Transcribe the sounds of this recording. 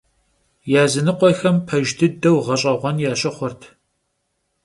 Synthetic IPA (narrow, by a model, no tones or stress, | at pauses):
jaːzɨnɨqʷɔxɐmpʰɐʒdɨdɐwʁɐɕʼɐʁʷɔnjaːɕʼɪχʷɔrtʰ